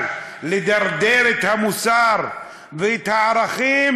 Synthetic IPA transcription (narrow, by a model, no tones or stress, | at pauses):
led̪aɾd̪eɾet̪hamusaːɾ | vet̪haʕɾaχiːm